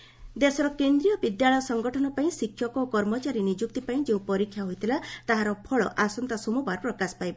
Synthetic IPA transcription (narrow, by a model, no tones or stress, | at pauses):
d̪esɔɾɔkend̪ɾijɔbid̪jaɭɔjɔsɔŋɡɔʈʰɔnɔpaĩsikʰːjɔkɔkɔɾmɔt͡ʃaɾinid͡ʒuk̚t̪ipaĩd͡ʒeũpɔɾikʰjaɦojt̪ʰilat̪aɦaɾɔpʰɔɭɔ̰ʔasɔnt̪asumubʱaɾpɾɔkasɔ̥pajb